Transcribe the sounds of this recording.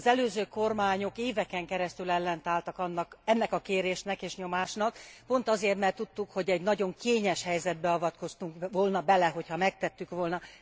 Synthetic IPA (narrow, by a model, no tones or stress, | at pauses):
zɛløːzøːko̞rmaːɲo̞keːvɛkɛŋkɛɾɛst̪ylɛlːɛnt̪aːlt̪ɒkɒnːɒkɛnːɛkɒkeːɾeːʃnɛkeːʃɲo̞maːʃnɒkpo̞n̪t̪ɒzeːrt̪mɛrt̪ːut̪ːukho̞ɟɛɟnɒɟo̞ŋkeːɲɛʃhɛjzɛd̪̚bɛɒvɒt̪ko̞st̪uŋkvoːlnɒbɛlɛɦo̞chɒmɛk̚t̪ɛt̪ːykʋo̞lnɒ